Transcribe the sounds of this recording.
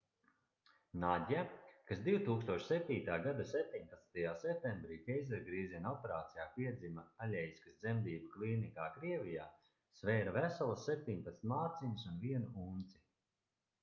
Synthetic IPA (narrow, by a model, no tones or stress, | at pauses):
naɟʲakasd̪iwt̪uːkst̪uɔʃsɛp̚t̪ʲiːt̪aːɡad̪asɛp̚t̪ʲiɲpat̪snt̪ajaːsɛp̚t̪ẽmbɾiːkʲɛjzɛɾɡɾiːzinɔpeɾaːt̪sijaːpʲiɛd̪zimaalʲɛjskasd̪zɛmd̪iːbaklˠiːnikaːkɾiɛvʲijaː | svɛːɾavæsɔlˠɐsːɛp̚t̪ʲiɲpat̪st̪ʲmaːt̪siɲisunviɛnuunt̪si